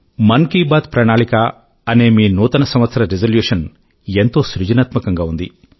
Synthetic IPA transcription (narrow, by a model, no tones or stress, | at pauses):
mɐnkiːbaːt̪̚pɾɐɳaːɭika | ɐne̞ːmiːnuːt̪ɐnɐsɐmʋɐt̪sɐɾɐɾezɐljuːʂɐn | ent̪o̞ːsɾud͡ʒɐnɐt̪mɐkɐŋɡaːund̪ḭ